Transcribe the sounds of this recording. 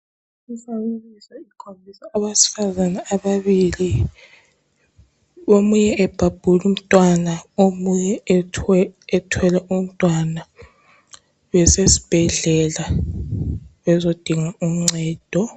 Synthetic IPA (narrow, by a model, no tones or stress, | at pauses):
ifawulisaikʰombʱisaʔːβasi̥fazanaːβaβili | omujɛɛb̥ʱab̥ʱulum̩tʼwanaomujɛ | tʰwɛlɛʔum̩tʼwana | βɛsesi̥b̥ʱɛɮɛla | βɛzod̥ʱiŋaum̩ŋ͡ǀʱɛːd̥ʱɔ